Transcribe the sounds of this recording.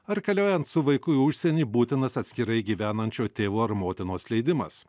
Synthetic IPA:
ɐɾkɐlʲoːjɛnt̪sʊʋɐɪkʊɪʊʃʲsʲɛnʲiːbuːt̪ʲɪnɐsɐt̪ʲsʲkʲɪɾɐɪɡʲiːʋʲæːnɐnʲt͡ʃʲoːt̪ʲeːʋoːɐɾmoːt̪ʲɪnoːslʲɛɪd̪ʲɪmɐ̰s

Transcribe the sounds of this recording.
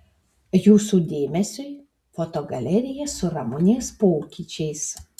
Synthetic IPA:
juːsuːd̪ʲeːmʲɛsʲʊɪ | fot̪oɡɐlʲɛɾʲɪjɛsʊɾɐmʊnʲeːspoːkʲiːt͡ʃʲɛɪs

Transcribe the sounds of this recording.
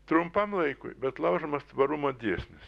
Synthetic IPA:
t̪ɾʊmpɐmlˠɐɪkʊ̰ɪbʲɛt̪lˠɐʊʒomɐst̪ʋɐɾumod̪ʲiːsʲnʲɪs

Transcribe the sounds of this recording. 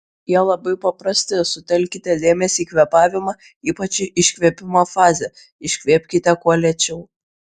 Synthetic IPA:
jiɛlˠɐbɐɪpɐpɾɑsʲt̪ʲɛɪsʊt̪ʲɛlʲkʲit̪ʲɛd̪ʲeːmʲɛsʲiːkʋʲɛpɑːʋʲɪmɑ | iːpɐt͡ʃʲɪʔɪʃʲkʲʋʲiɛpʲɪmoːfɑːzʲɛ | ɪʃʲkʲʋʲeːpʲkʲit̪ʲɛkuɔlʲɛt͡ʃʲɛʊ

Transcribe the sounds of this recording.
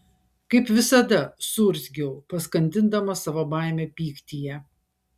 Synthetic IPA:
kɐɪpʋʲɪsɐd̪ɐsʊɾʲzʲɡʲɛʊpɐskɐnʲt̪ʲɪnd̪ɐmɐsɐʋobɑˑɪmʲepʲiːkt̪ʲijɛ

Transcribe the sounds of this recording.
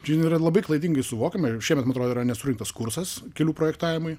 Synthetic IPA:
t͡ʃʲɪniːrɐlˠɐbɐɪklˠɐɪd̪ʲiŋɡɐɪsʊʋoːkʲemɐʃʲiɛmʲɛt̪mɐnɐt̪ɾoːd̪ːiɾɐnʲɛsʊɾʲɪŋkt̪ɐskuɾsɐskʲɛlʲuːpɾoːjɛkt̪ɑːʋʲɪmʊɪ

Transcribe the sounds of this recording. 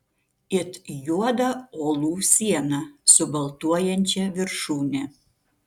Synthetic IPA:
ɪt̪juɔd̪ɐoːlˠuːsʲiɛnɐsʊbɐlˠt̪uɔjɛnʲt͡ʃʲɛʋʲɪɾʃuːnʲɛ

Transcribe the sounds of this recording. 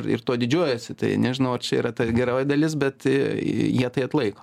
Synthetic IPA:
rɪ̰rt̪oːd̪ʲɪd͡ʒʲuɔjɛsʲɪt̪ɐ̰ɪnʲɛʒʲɪnɐʊɐrt͡ʃʲɛḭːɾɐt̪ɐɡʲɛɾoːjɪd̪ɐlʲɪs̬bʲɛt̪ɪjiɛt̪ɐɪɐt̪lˠɐɪkoː

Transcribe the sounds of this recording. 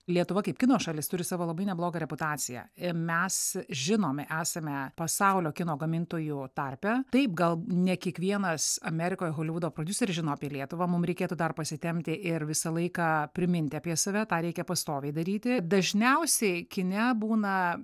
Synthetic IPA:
lʲiɛt̪ʊʋɐkɐɪp̚ʲkʲɪnoːsʃɑːlʲɪst̪ʊɾʲɪsɑːʋoːlˠɐbɐɪnʲɛblˠoːɡɐɾʲɛpʊt̪ɑːt͡s̪ʲɪjɛ̰mʲɛsʒʲɪnoːmʲʔæːsɐmʲɛpɐsɐʊlʲoːkʲɪnoːɡɐmʲɪnt̪oːjut̪ɐrʲpʲɛt̪ɐɪp̚ɡɐlˠnʲɛkʲiɛkʋʲiɛnɐsɐmʲɛɾʲɪkoːjɛɣoːlʲɪʋʊd̪oːpɾoːd̪ʲʊsʲɛɾʲɪʒʲɪnoːɐpʲiɛlʲiɛt̪ʊʋɑːmʊmɾʲɛɪkʲeːt̪ʊd̪ɐrpɐsʲɪt̪ʲɛmʲt̪ʲɪʔɪrʋʲɪsɐlˠɐɪkɑːpʲɾʲɪmʲɪnʲt̪ʲɪɐpʲiɛsɐʋʲɛt̪ɑːɾʲɛɪkʲɛpɐst̪oːʋʲɛɪd̪ɐɾʲiːt̪ʲɪd̪ɐʒʲnʲɛʊsʲɛɪkʲɪnʲɛbuːnɐ

